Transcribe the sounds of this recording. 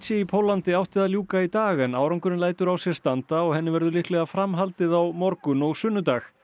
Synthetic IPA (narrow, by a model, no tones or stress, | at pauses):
t̪sjɛipʰowlant̪ɪawht̪ɪðaljuːkait̪aːɣɛnawɾawŋkʏɾɪnlaːjt̪ʏɾawsjɛɾ̥st̪ant̪aɔɣhɛnːɪvɛɾðʏlɪhklɛɣafɾamɦalt̪ɪðawmɔɾkʏnɔɣsʏnːʏt̪aːx